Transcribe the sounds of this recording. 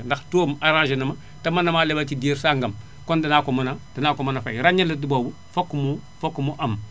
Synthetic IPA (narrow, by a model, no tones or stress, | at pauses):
ndaxtomaɾãʒenama | tamanamalebatideɾsaŋɡam | kondinakomunadinakomanafajɾaɲilidibobu | fokːumu | fokːumuʔam